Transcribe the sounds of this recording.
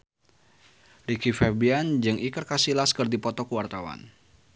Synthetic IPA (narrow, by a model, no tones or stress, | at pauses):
rikifɛbiand͡ʒɨŋʔikərkasilaskɨrdipɔt̪ɔkəwart̪awa̰n